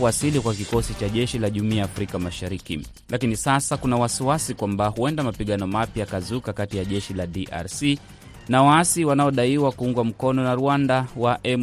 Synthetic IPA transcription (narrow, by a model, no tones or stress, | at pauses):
asilikwakikɔsit͡ʃaʄɛʃilaʄumiaːfɾikamaʃaɾikḭ | lakinisasakunawasiwasikwambahuɛndamapiɠanɔmapjakazukakatijaʄɛʃilaɗiʔa̰ɾsi | nawaasiwanaɔɗaiwakuuŋɡwam̩kɔnɔnaɾuandawaʔɛm